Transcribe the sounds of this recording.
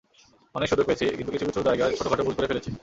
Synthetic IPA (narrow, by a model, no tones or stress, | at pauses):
ɔnekʃod̪oɾkoet͡ɕʰikint̪ukit͡ɕʰubit͡ɕʰuɾd͡ʑaeɡat͡ɕʰoʈoɡʱaʈobulkoɾefʰelet͡ɕʰe